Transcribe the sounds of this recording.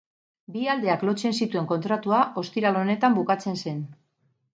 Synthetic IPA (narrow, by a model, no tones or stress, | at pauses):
biald̪e̞aklo̞t͡se̞nsit̪ue̞ŋko̞nt̪ɾat̪uaʔo̞st̪iɾalo̞ne̞t̪ambukat͡se̞nse̞n